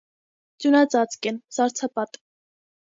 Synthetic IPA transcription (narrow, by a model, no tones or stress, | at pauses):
t͡sjunɑt͡sɑt͡skɛnsɑɾt͡sʰɑpɑt̪